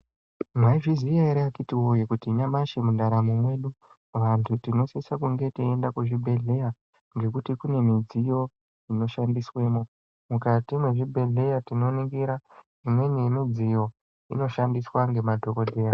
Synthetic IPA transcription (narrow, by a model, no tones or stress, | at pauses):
mwaivizijaiɾeakitiwojikutiɲamaʃemundaɾamumwe̞ːɗu | ʋantʰutino̞sisakuŋɡe̞teendakuʐibʱe̞ɮe̞ja | ŋɡe̞kutikune̞mid͡zijo̞ | ino̞ʃandiswe̞ːmo | mukatimwe̞ʐibʱe̞ɮe̞jatino̞niŋɡiɾa | imwe̞ɲeinod͡zijo̞ | ḭno̞ʃandiswaŋɡe̞madʱo̞ko̞ɗʱe̞ːra